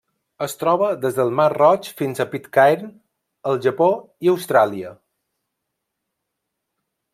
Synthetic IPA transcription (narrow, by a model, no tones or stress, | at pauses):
əst̪ɾɔβəðezðəlˠmarrɔt͡ʃfinzəpit̪kajɾn | əlˠʒəpo | iəwst̪ɾaliə